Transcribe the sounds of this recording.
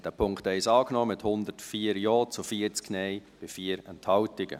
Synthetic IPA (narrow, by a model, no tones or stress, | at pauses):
d̥æːpʰʊŋktɛɪsɑːknɔːmɪthʊnd̪əɾtfiːəɾjɔːt͡sufiəɾt͡sknɛɪb̥ɪfiəɾɛnthɑwtɪɡ̥ə̰